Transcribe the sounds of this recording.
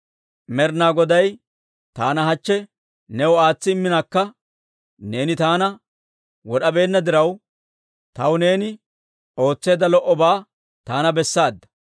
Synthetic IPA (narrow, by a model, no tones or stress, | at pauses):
mɛɾnaːɡɔd̪ɐj | t̪aːnɐɦɐt͡ʃːɛ | nɛwɔaːt͡sːɪmːɪnaːkːɐ | ne̞ːnɪt̪aːnɐ | wɔɗɐbe̞ːnːɐd̪ɪɾɐw | t̪ɐwne̞ːnɪ | o̞ːt͡sːe̞ːd̪ɐlɔʔːɔbaː | t̪aːnɐbɛsːaːd̪ːɐ̥